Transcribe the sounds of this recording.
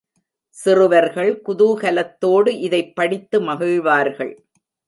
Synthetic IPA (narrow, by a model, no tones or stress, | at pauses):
sɪrɯʋɐɾɣɐɭkʊðuɣɐlɐt̪ːoːɽɯʔɪðɐɪpːɐɽɪt̪ːɯmɐɣɯɻʋaːɾɣɐ̰ɭ